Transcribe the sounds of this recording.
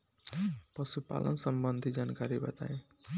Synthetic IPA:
pʌsupa̰lʔə̰nsəmbənd̪ʱid͡ʒankaɾibə̰t̪a̰ẽ

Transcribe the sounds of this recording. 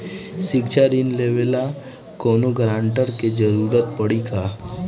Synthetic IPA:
sɪɡt͡ʃaɾinleːʋela | koːnoɡɾãːɳʈəɾked͡ʒəɾuːɾət̪pəɽikaː

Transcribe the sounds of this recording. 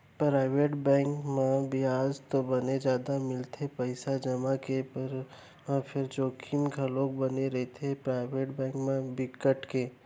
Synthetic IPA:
pɾaːɪʋeːʈbɛ̃ːŋkmãbʱiaːd͡ʒt̪obɐned͡ʒjaːd̪amɪlt̪ʰepəɪsad͡ʒɐmakepəɾ | mãpʰɪɾd͡ʒoːkʰimkaloːk̚bəneɾɐɦet̪ʰepɾaːɪʋeːʈbɛ̃ːŋkmãbɪkəʈke

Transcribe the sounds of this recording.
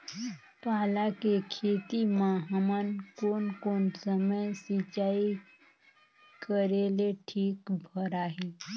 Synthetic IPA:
t̪alakekʰet̪imaɦamankonkonsəməjsit͡ɕai | kəɾeleʈʰiːkbʱəɾaɦe

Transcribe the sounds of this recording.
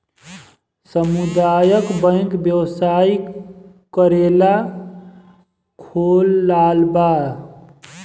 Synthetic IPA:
səmud̪ajəkbə̃kbjəwsai | kəɾela | kʰoːlːaːlba

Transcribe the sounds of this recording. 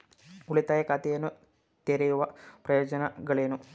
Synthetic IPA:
uɭit̪ːaːjɐkat̪ijɐnːu | t̪eːɾɐjuʋɐprɐjo̞ːd͡ʑɐnɐɡɐɭeːnu

